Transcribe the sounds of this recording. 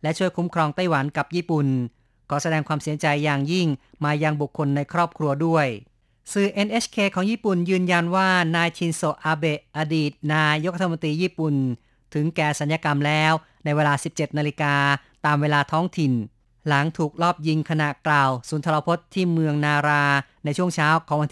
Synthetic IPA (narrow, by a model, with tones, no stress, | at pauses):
lɛ˦˥t͡ɕʰu˥˩əjkʰu˦˥mkʰɾɔː˧ŋt̪a˥˩jwa˩˦nka˨˩p̚jiː˥˩pu˨˩n | kʰɔː˩˦sa˧dɛː˧ŋkʰwaː˧msi˩˦ɐt͡ɕa˧jːaː˨˩ŋji˥˩ŋmaː˧ja˧ŋbu˨˩kʰːo˧nːa˧jkʰɾɔː˥˩p̚kʰɾu˧ɐdu˥˩əj | sɯː˨˩ʔe˧nʔe˦˥skʰeː˧kʰɔː˩˦ŋjiː˥˩pu˨˩njɯː˧nja˧nwaː˥˩naː˧jt͡ɕʰi˧nso˨˩ʔʔaː˧be˨˩ʔa˧diː˨˩t̪̚naː˧jo˦˥k̚ɾa˧tʰmo˧nt̪ɾiː˧jiː˥˩pu˨˩n | t̪ʰɯ˩˦ŋkɛː˨˩sa˩˦njaː˧ka˧mlɛː˦˥w | na˧jweː˧laː˧si˨˩p̚t͡ɕe˨˩t̪̚naː˧li˧˥kaː˧t̪aː˧mweː˧laː˧t̪ʰɔː˦˥ŋt̪ʰi˨˩n | la˩˦ŋt̪ʰuː˨˩k̚lɔː˥˩p̚ji˧ŋkʰa˧na˨˩ʔklaː˨˩wsuː˩˦nt̪ʰa˧la˧pʰo˦˥t̪ʰːiː˥˩mɯ˧əŋnaː˧ɾaː˧na˧jt͡ɕʰu˥˩əŋt͡ɕʰaː˦˥wkʰɔː˨˩˦ŋwa˧nt̪ʰ